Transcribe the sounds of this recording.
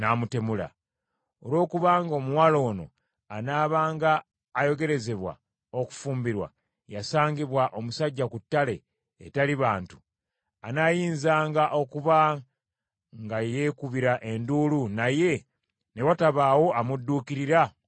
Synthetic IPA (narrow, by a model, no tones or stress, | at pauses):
namute̞mula̰ | olwo̞ːkuβaːŋɡo̞ːmuwaːlo̞ːno̞̰ | anaːβaːŋɡaː | jo̞ɡe̞ɾe̞ze̞βwa̰ | o̞ku̥fuːmbiɾwa̰ | jasaːŋɡiβwaʔo̞musaɟːakutːale̞̰ː | taliβaːntu̥ | anajiːnzaːŋɡaʔo̞kuβa | ŋɡajekuβiɾaʔe̞nduːlunaje̞ | newataβaːwo̞amudːuːkiɾiɾa